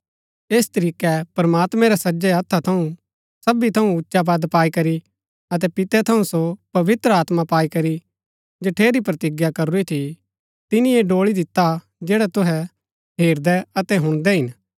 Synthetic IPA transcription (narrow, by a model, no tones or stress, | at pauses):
eːst̪ɐɾiːkɛpɾɐmaːt̪mɛ̃ɾɛsɐd͡ʒɛɐt̪ʰːat̪ʰɐũ | sɐbit̪ʰɐũʊtːʃabad̪paːikɐɾi | ɐt̪̬ɛpɪt̪ɛt̪ʰɐũsopɐʋɪt̪ɾəaːt̪mapaːikɐɾi | d͡ʒɐʈʰeːɾipɾɐt̪ɪɡjakɐɾuit̪ʰi | t̪ɪnĩeɖoːɭid̪ɪt̪ːa | d͡ʒeːɽat̪ʊɦɛ | ɦeːɾd̪ɛɐt̪ɛɦʊ̃ɽ̃d̪ɛɦɪn